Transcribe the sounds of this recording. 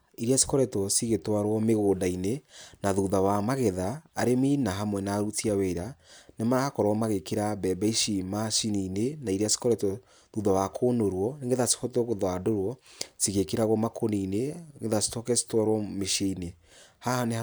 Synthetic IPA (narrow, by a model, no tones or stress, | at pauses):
iɾiasi̥kɔɾɛtwɔsiɣetwaɾwɔmeɣodainenaðuðawamaɣɛðaːɾeminaɦamwɛnaɾutiaweɾanemaɾahakɔɾwɔmaɣekeɾabɛbɛiʃimaʃininenaiɾiasi̥kɔɾɛtwɔ | ðuðawakʰoːnoɾwɔneŋɡeðasi̥kɔtɔɣoðwadoɾwɔsiɣekeɾaɣɔmakʰonineŋɡeðasi̥tɔkɛsi̥twaɾwɔmeʃeine | hane